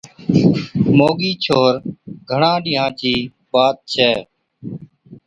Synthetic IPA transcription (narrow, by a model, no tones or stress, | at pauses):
moːɠiːt͡ʃʰoːɾɡʱəɳãːɗɪ̃ːɦãːt͡ʃiː | ɓaːt̪̚t͡ʃʰɛː